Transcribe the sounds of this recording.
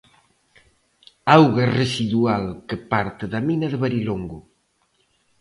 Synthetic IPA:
awɣaresiðualkepaɾt̪ɪðɐminɐðeβaɾiloŋɡʊ

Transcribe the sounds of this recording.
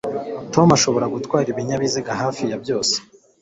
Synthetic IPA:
to̞maʃo̞βo̞ɾaɡutkwaːɾiβiɲaβiziɡaɦaːfijabjo̞ːse̥

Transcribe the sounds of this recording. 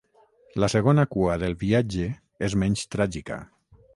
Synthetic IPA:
laseɣ̞onakuaðelˠβiad͡ʒe | ezmɛɲst̪ɾaʒika̰

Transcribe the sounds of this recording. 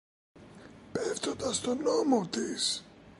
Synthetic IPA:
peft̪o̞nd̪ɐst̪o̞nomot̪is

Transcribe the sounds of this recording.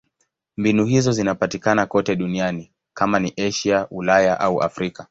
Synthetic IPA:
mbinuɦizɔzinapatikanakɔtɛɗuniani | kamaniʔɛʃiaʔulajaʔauʔa̰fɾika

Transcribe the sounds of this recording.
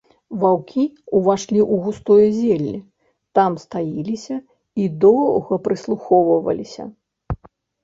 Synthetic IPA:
vawkʲiuvaʂlʲiʔuɣust̪ɔjɐzʲɛlʲːi | t̪amst̪ajilʲisʲɐ | id̪ɔɣɐpɾɨslˠuxɔvɐvɐ̰lʲisʲɐ̰

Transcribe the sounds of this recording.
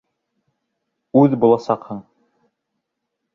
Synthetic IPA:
ʉðbulˠɑsɑqhɤɴ

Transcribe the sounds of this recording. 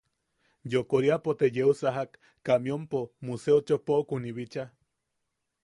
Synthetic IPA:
jokoɾiapot̪ejeusaɦakː | amjompomuseot͡ʃopokuniβit͡ʃa

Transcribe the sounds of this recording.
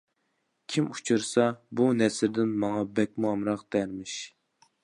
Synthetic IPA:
kʲʰimut͡ʃʰɨɾsɑbunɛsɾd̪ɪnmɑŋɑbɛk̚ʲmuɑmɾɑqd̪ɛɾmɪʃ

